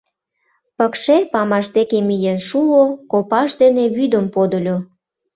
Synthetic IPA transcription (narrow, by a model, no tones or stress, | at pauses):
pəkʃelʲpɑmɑʃd̪ekemijenʃuokopɑʃd̪eneβyd̪əmpod̪ə̆lʲo